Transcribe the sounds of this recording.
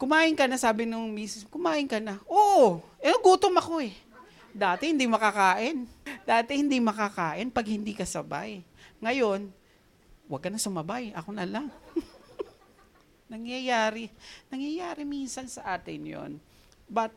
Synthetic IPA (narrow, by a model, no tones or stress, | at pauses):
kʊmaːʔɪnkɐnasaːbɪnʊŋmiːsɪskʊmaːʔɪnkɐnaʔoːʔoʔɛnɐɡuːt̪omɐko̞ɛ | d̪aːt̪ɛhɪnd̪imɐkɐkaːʔɪnd̪aːt̪ɛhɪnd̪imɐkɐkaːʔɪnpɐɡ̚hɪnd̪ikɐsɐba̰jŋɐjo̞n | wɐɡ̚kːɐnɐsʊmɐbajʔɐko̞nɐlaŋ | nɐŋjɐjaːɾɪnɐŋjɐjaːɾɪminsɐnsɐʔaːt̪ɪnjo̰n | bɐt̪̚